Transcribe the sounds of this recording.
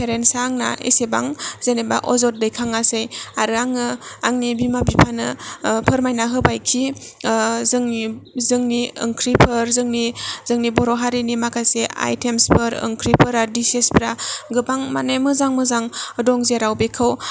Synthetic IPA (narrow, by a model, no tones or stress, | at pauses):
pʰeɾensaŋna̰ḛseba̰ŋzeneba̰ʔɔzɔt̚dɯjkʰaŋasɯjaɾɯaŋɯaŋnibimabipʰanɯpʰɯɾmajnaɦɯbajkʰi | zɯŋzɯŋniɯ̰ŋkʰɾipʰɯɾzɯŋniz̥ɯŋnibɔɾɔɦaɾinimakʰajsea̰jtʰemspʰɯɾɯ̰ŋkʰɾipʰɯɾadisesbɾaɡɯbaŋmanajmɯzaŋmɯzaŋɯdɔŋzeɾawbekʰɯw